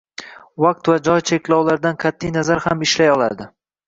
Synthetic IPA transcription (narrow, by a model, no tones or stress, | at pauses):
vaq̚t̪vad͡ʒɒjt͡ʃʰekʲlɒwlaɾd̪anqʰat̪ʰːijnazaɾhamɪʃlajɒlˠa̰ɾd̪ɪ